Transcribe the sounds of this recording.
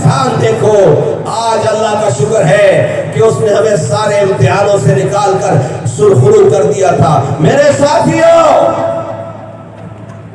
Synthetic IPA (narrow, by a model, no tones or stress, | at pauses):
t̪ʰaːnd̪eːkʰoː | aːd͡ʒɐlːaɦkaʃʊkɾɦɛkeʊsneɦɐmẽsaːɾeɪ̃mt̪ɪɦaːnõsenɪkaːlkɐɾsʊɾxʊɾukɐɾd̪ijat̪ʰaːmeːɾesaːt̪ʰioː